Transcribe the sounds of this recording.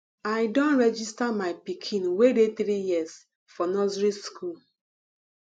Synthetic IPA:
aɪdõnɹɛd͡ʒistamaɪpikʰĩnwedet̪ɾijis | fɔnɔzɾiskʰul

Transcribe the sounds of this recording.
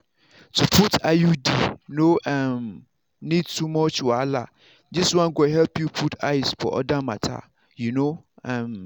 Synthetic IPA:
tʰupʰutʰajudijnoʔɛ̃m | nĩd̚tʰumɔt͡ʃwɔala̰ | d͡ʒiswãnɡoɦɛlpjupʰutʰaɪspʰɔ̰ʔɔ̰dãmã̰tʰa̰ | juno | ɛ̃m

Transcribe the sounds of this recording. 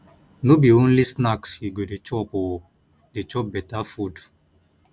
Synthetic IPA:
nobiõnlisnakshiɡodet͡ʃɔpɔ | det͡ʃɔbɛtafud

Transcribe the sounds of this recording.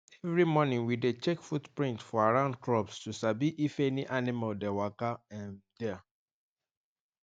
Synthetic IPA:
ɛvɹimɔnĩŋwidet͡ʃɛkfutpɹĩntfɔaɹãʊ̃ndkɹɔpstusabiʔifɛniʔanimaldɛwakaɛ̃ndɛa

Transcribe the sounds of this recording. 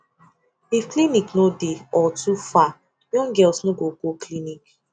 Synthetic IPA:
ifkliniknodeɔtufa | jɔ̃ŋɡɛlsnoɡoɡoklinik

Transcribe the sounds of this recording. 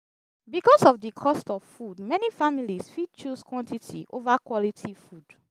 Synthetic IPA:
bikɔsɔvdikʰɔstɔv̥fudmɛnifamilisfid̚t͡ʃuskwɔ̃ntitʰḭʔovakwɔlitʰifud

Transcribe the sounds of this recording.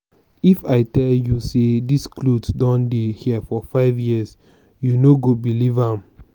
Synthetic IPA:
ifaɪtɛljusediskludsdɔ̃ndehiəfɔfaɪvjiəs | junoɡobilivãm

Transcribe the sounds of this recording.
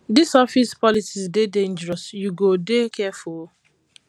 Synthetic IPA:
disɔfispɔlisizdedẽnd͡ʒɛɹɔsjuɡodekʰɛfu

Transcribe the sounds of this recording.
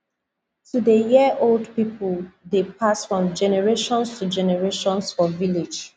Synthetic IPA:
tudejiəʔoldpipuldepʰasfɹɔ̃md͡ʒɛnɛɹeʃɔ̃nstud͡ʒɛnɛɹeʃɔ̃nsfɔvilid͡ʒ

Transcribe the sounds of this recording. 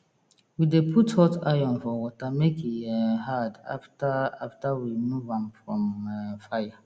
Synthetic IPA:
widepʰuthɔtajɔ̃nfɔwɔtamekʰiɛɦada̰ftaaftawimuvãmfɹɔ̃mfaja

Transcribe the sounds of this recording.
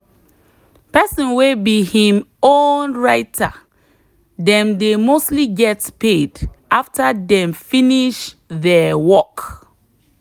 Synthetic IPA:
pɛsɔ̃nwebihĩmonɹaɪtʰa̰ | dɛ̃mdemostliɡɛtpedaftadɛ̃mfĩniʃðɛwɔk

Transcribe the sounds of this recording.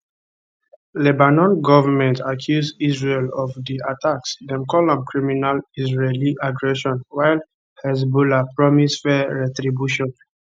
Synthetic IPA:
lɛbanɔ̃nɡɔvəmɛ̃ntʰakʰjuzdizɹelɔvdiatʰaksdɛ̃mkɔlɔ̃mkʰɹiminalizɹeliʔaɡɹɛʃɔ̃nwajl | hɛz̬bulapɹɔmisfɛɹɛtɹibjuʃɔ̃n

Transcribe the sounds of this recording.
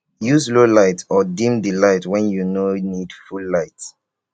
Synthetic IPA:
juzlolaɪtɔdĩmdilaɪtwɛ̃njunonid̥fulːaɪt

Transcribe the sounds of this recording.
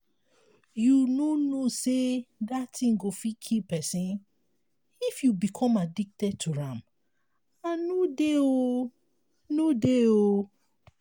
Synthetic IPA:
junonosedatʰĩŋɡofikʰipɛsĩn | ifjubikʰɔ̃madik̚tɛd̚tʰuɹãm | anudeo | nudeo

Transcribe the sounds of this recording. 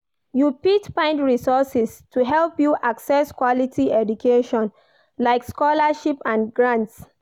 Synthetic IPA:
jupitpãɪ̃ndɹisɔsɛstʰuɦɛlpjuʔaksɛskwɔlitʰiɛdukʰeʃɔ̃n | laɪkskɔlaʃipãnɡɹãnts

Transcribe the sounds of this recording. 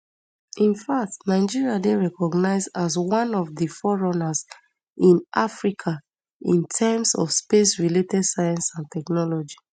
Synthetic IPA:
ĩnfak̚tnaɪd͡ʒiɹiadeɹɛkɔɡnaɪzazwãnɔvdifɔɹɔnas | ĩnʔafɹikʰa | ĩntʰɛmsɔ̰fspesɹiletɛdsajɛ̃nsãntɛknɔlɔd͡ʒi

